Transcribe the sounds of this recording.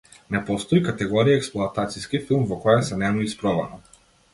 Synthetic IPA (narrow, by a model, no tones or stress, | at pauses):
nɛpɔst̪ɔikat̪ɛɡɔɾiaɛksplˠuat̪at̪siskifilˠmvɔkɔjasɛnɛmuispɾɔva̰na